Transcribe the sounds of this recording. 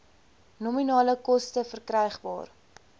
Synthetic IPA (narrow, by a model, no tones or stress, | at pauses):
nɔminɑːləkɔstəfərkrɛjχbɑ̰ːr